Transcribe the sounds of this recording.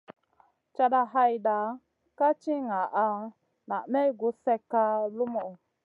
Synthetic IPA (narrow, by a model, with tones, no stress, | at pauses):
t͡ʃa˧da˧ɦa˦jda˨ | ka˦t͡ʃi˦ŋa˨ʔa˦ | na˨ʔmɛ˦ɡu˨˦sɛ˦ka˦lu˦mɔ˨